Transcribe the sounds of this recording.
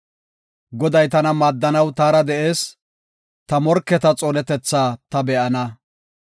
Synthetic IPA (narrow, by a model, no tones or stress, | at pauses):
ɡɔd̪ɐjt̪ɐnɐmaːd̪ːɐnɐwt̪aːɾɐd̪ɛʔeːs | t̪ɐmɔɾkːɛt̪ɐt͡sʼoːnɛt̪ɛt͡sːaːt̪ɐbɛʔɐnɐ